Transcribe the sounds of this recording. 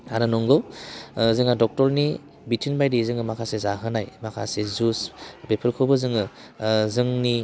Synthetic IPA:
aɾɯnɔŋɡɔwzɯŋadɔk̚tɔɾni | bitʰinbajdizɯŋɯmakʰasezaɦɯnajmakʰa̰sezusbepʰɯɾkʰɔbɯzɯŋɯ | zɯŋni

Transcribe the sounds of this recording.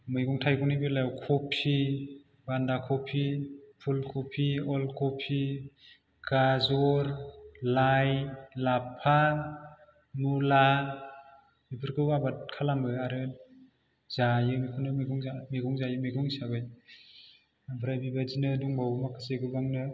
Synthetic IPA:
mɯjɡɔŋtʰajɡɔŋnɯbɯlawkʰɔpʰi | bandakʰɔpʰipʰulkʰɔpʰiɔlkʰɔpʰi | ɡ̥azɔɾlajlapʰa | nula | ibʰɯɾɡʰɯwabat̚kʰalamɯaɾɯ | z̥ajɯmikʰunɯmɯjɡuŋamiɡɔŋzajɯmɯjɡɔŋsabaj | bʱɯɾajbibazinɯduŋbawmakʰɯseɡɯbaŋnɯ

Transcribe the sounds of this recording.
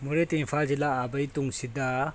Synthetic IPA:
muɾet̪infʰald͡ʒilaːbɐjt̪uŋsid̪a

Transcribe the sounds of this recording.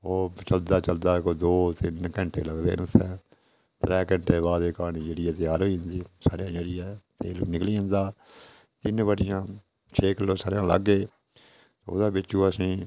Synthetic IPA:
oːt͡ʃəld̪aːt͡ʃəld̪aːkoːd̪oːt̪ɪnkə̃ɳʈḛːləɡd̪ḛːnʊt̪ʰːɛ̃ː | t̪ɾɛːkə̃ɳʈeːβaːd̪eːkaːnĩːd͡ʒeːɽɪːɛːt̪ɪjaːɾɦoːiːɦənd̪iːsaːɾjãːd͡ʒeːɽiːɛːt̪eːnɪkliːɦə̃nd̪aː | t̪ɪnbəɽɪjãː | t͡ʃʰeːkəloːsaːɾjãːlə̰ɡːeː | o̰d̪ãːbɪt͡ʃːũːəsĩː

